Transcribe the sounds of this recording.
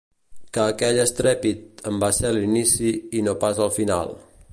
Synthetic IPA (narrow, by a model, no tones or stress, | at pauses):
kəːkɛʎəst̪ɾɛpit̪əmbaselinisiːnopasəlˠfina̰lˠ